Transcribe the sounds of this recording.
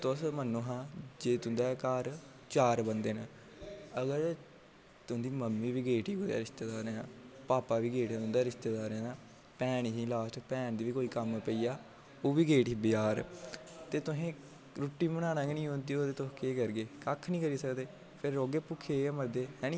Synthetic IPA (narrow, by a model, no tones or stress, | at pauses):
t̪ʊsmənːõːɦãːd͡ʒeːt̪ʊnd̪aːkaːɾ | t͡ʃaːɾbənd̪eːn | əɡəɾ | t̪ʊnd̪iːməmːiːʋiːɡeːʈiːɡoːja̰ːɾɪʃt̪eːd̪aːɾeːãːpaːpaːʋiːɡeːʈãːt̪ʊ̃nd̪aːɾɪʃt̪eːd̪aːɾɛ̃aː | pɛːñɦĩːlaːsʈpɛːɳd̪iːʋiːkoːiːkəmpəiːaː | oːʋiːɡeːʈiːbɪjaːɾ | t̪eːt̪ʊɦẽː | ɾʊʈːiːmənãːnãːɡenĩːɦõːnd̪iːoːt̪eːt̪ʊskeːkəɾɡeːkakʰnĩːkəɾiːsəkd̪eː | pʰɪɾːoːɡeːpʊkʰːeeməɾd̪eːɦɛːnĩː